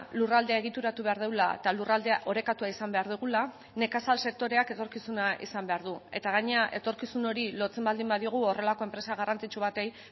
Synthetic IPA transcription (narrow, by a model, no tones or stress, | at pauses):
lurald̪eaeɣ̞it̪uɾat̪uβe̞aɾð̞e̞wlaḛt̪alurald̪eaʔo̞ɾe̞kat̪uaisambe̞aɾð̞uɣ̞ula | ne̞kasalse̞k̚t̪o̞ɾe̞ake̞t̪o̞ɾkisunaʔḭsambe̞aɾðue̞t̪aɣ̞aɲe̞aʔe̞t̪o̞ɾkisuno̞ɾilo̞t͡se̞mbald̪imbaðio̞ɣ̞uo̞re̞lako̞e̞mpɾe̞saɣarant͡sit͡ʃuβ̞at̪e̞j